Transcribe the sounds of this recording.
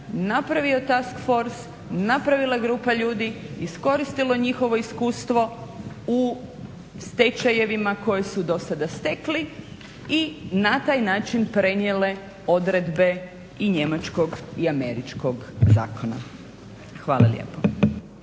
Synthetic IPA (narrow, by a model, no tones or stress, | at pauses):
napɾaʋio̞t̪askfo̞ɾs | napɾaʋilˠaeɡɾuːpaʎuːd̪iisko̞ɾist̪ilo̞eɲixo̞ʋo̞iskuːst̪ʋo̞ | u | st̪e̞t͡ʃaje̞ʋimako̞jesud̪o̞sad̪ast̪ekli | inat̪aːjnaːt͡ʃinpɾe̞ɲjele̞ | o̞d̪ɾe̞d̪be̞ | iɲe̞mat͡ʃko̞ɡiame̞ɾit͡ʃko̞ɡza̰ːkona̰ | xʋaːlˠa̰ljḛpo